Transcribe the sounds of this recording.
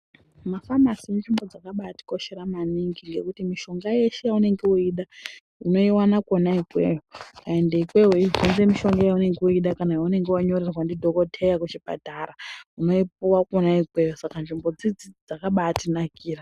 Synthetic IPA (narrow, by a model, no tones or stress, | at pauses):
mafamasimunʐimbo̞d͡zakaɓati̥ko̞ʃe̞ɾamaniŋɡiŋɡe̞kutimiʃo̞ŋɡaje̞ʃejaune̞ŋɡeuiɗa | ino̞iwanakonaikwe̞̰jokaendeikwe̞ɦounzemiʃo̞ŋɡajaune̞ŋɡeuiɗakanajaune̞ŋɡewaɲo̞rerwandidʱo̞ko̞tʰe̞jakut͡ʃipa̰taɾauno̞ip̚uwakonaikwe̞josakanʐimbo̞d͡zid͡zid͡zakaɓatinakiːra